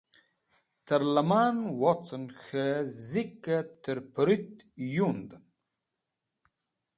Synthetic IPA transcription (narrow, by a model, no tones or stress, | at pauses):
t̪ʰɐɾlɐmaːnwot͡sənxəzikːət̪əɾpəɾit̪ | jund̪ən